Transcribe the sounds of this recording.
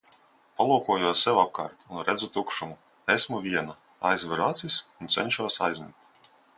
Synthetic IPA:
palˠuːkuɔjuɔsːɛwap̚kaːɾt̪unɾɛd̪zut̪ukʃumu | esmuvʲiɛna | a̰jzvɨɾat̪sisunt̪sɛ̰nʲʃuɔsa̰jzʲmʲḭkt̪

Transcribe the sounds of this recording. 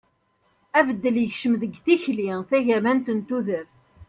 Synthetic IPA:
ævəd̪ːəljəçʃəmðəɡθiçliθæʝæmænt̪ənt̪uðəɾ

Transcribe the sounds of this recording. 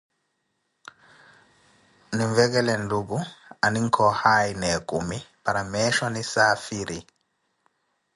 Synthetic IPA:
niɱvɛɡɛlɛnlubuaniŋkʰɔhajnɛkumipaɾamɛʃɔnisaːfiɾi

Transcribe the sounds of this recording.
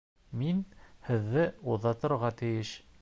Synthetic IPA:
minhɘ̆ðːɘuðːɑt̪ɤ̆ɾʁɑt̪ɘ̆jɘʃ

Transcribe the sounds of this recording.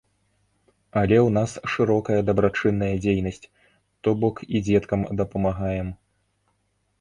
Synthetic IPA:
ɐlʲɛwnasʂɨɾɔkɐjɐd̪ɐbɾat͡ʂɨnːɐjɐd͡zʲejnɐsʲt͡sʲ | t̪ɔbɔkid͡zʲɛt̪kɐmd̪ɐpɐmaɣajɛm

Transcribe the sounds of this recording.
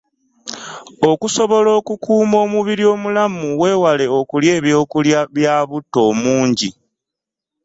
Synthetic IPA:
o̞kuso̞βo̞lo̞ːkukuːmo̞ːmuβiɾio̞ːmulamuwe̞ːwale̞o̞kulje̞ːβjo̞ːkuljaβjaːβutːo̞ːmuːɲɟi

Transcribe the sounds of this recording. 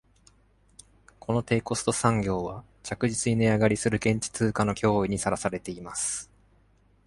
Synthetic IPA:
kʰo̞no̞t̪e̞ːko̞sɨ̥t̪o̞sãŋɡʲo̞ːβa | t͡ɕakɯ̟ʑit͡sɨɲineaɡaɾʲisɨɾɯ̟kẽ̞ɲ̟t͡ɕi̥t͡sɨːkano̞kʲʰo̞ːiɲ̟isaɾasaɾe̞t̪e̞imasɨ̥

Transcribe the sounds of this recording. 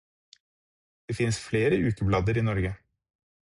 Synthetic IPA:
d̪̥eːfɪnsfleːɾəʉːkəblɑd̪əɾiːnɔɾɡə

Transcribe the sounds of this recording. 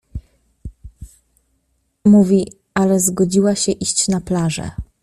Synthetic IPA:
muvʲi | alɛzɡɔd͡ʑiwaɕɛʔiɕt͡ɕnaplaʐɛ̰

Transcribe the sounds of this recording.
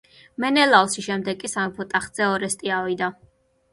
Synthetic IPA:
mɛnɛlalˠʃiʃɛmd̪ɛɡkʼːisamipʰɔt̪ʼaχz̥ɛɔɾɛst̪ʼiavid̪a

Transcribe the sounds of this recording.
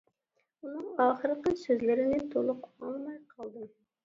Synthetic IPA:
ʊnɨŋɑχɨɾɨqəsɵzlɪɾɪnɪt̪ʰolˠɨqʰʊ̥ɑlˠmɑjqʰɑlˠd̪ɪm

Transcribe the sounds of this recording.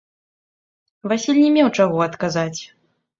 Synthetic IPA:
vasʲilʲnʲɛmʲɛwt͡ʂaɣɔɐt̪kazat͡sʲ

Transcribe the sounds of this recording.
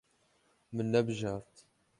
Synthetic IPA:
mənːæbʒɑɾˤt̪

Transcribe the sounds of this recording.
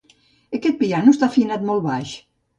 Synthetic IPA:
əkɛt̪̚pianuest̪afinat̪mɔlˠβaʃ

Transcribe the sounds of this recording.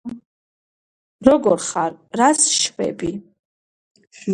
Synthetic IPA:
roɡorχarrasʃpḛbʼi

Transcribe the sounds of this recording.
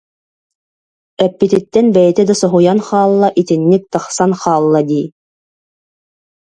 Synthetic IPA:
ɛpːit̪it̪ːɛnbɛjɛt̪ɛd̪asɔɦujanχaːlˠːaʔit̪inːik̚t̪ɯχsanχaːlˠːad̪iː

